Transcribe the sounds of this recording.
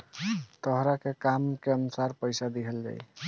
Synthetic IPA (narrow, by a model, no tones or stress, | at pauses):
t̪əɦɾakekamkeənusaɾpəjsad̪iɦəld͡ʒa̰j